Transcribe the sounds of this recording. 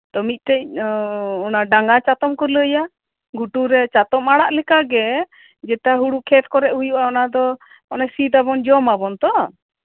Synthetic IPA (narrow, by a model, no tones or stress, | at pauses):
t̪ɔmic̪̚ˀt̪ɛc̚ | ɔnaɖaŋɡat͡ʃat̪ɔmkɔləja | ɡuʈuɾɛt͡ʃat̪ɔmaɽaʔlɛkaɡɛ | d͡ʒɛʈaɦuɽuʔkʰɛt̪̚kɔɾɛʔhujuʔaɔnad̪ɔ | ɔnasit̪aβɔnd͡ʒɔmabɔnt̪ɔ